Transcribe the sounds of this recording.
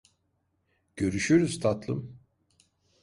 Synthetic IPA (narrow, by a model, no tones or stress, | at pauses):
ɟ̥ø̞ɾyʃyɾyzt̪ʰat̪lˠɯm